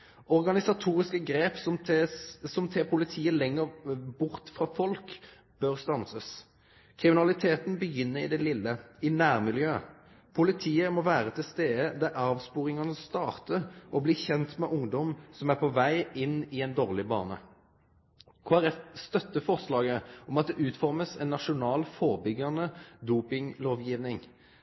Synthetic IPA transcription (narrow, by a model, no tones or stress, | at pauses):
ɔʁɡɑnɪsɑt̪ʰuːʁɪskəɡʁeːpsɔmʰsɔmt̪ʰɛpʰʊlɪt̪ʰiːəlɛŋːəʁbʊʁt̪fʁɑːfɔlk | b̥øʁst̪ɑnsəs | kʰʁɪmɪnɑlɪt̪ʰeːt̪n̩bəjʏnːəɾɪd̪ɛlɪlːəɪnæːʁmɪljøː | pʰʊlɪt̪ʰiːəmɔʋæːʁət̪ʰɪlst̪eːd̪əd̪æɾɑːʋspuːʁɪŋɑnəst̪ɑːʁt̪əɾɔbliːçɛnt̪mɛʔʊŋd̪ɔmsɔmæʁpʰɔʋæɪɪnːɪɛɪnd̪oːʁlɪbɑ̰ːnə̰ | kʰʊɑʁɛt̪st̪œt̪ːəfɔʁslɑːɡəɔmɑt̪̚d̪ɛʔʉːt̪fɔʁməsɛnːɑʃʊnɑːlfɔʁbʏɡɑnəd̪uːpɪŋloːʋjiːʋnɪŋ